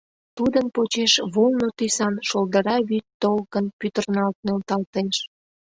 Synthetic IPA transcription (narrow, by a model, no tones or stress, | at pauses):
t̪ud̪ənpot͡ɕeʃβolˠnot̪ysɑnʃold̪əɾɑβyt̪ːolkənpʲyt̪ərnɑlt̪̚nelt̪ɑlt̪eʃ